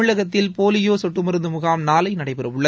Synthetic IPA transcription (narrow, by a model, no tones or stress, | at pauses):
ɯɭɐɣɐt̪̬ːɪlpoːlɪjoːsɔʈːɯmɪɾɯnd̪ɯmʊɣaːmnaːlɐɪnɐɽɐɪpɪɾɐʋɯɭːɐ